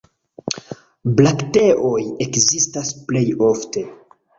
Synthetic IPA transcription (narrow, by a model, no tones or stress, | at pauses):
blakte̞ʔo̞jekzistasple̞jo̞fte̞